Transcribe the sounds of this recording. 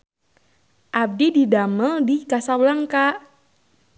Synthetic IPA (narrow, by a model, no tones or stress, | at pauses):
ʔab̚dididaməldikasawlaŋkaʔ